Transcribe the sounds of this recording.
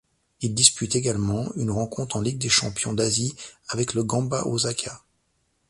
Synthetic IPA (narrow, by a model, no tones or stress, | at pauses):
ild̪ispyt̪eɡalmɑ̃ynʁɑ̃kɔ̃t̪χɑ̃liɡ̚d̪eʃɑ̰̃pjɔ̃d̪aziavɛkləɡɑ̃baʔozakʰa